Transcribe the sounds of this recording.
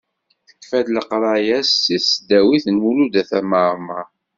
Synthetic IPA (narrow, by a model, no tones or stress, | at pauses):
kθə̥kːfæd̪ləqɾˤɑjæsːisd̪æwiθnwulud̪æθæməˤmɑ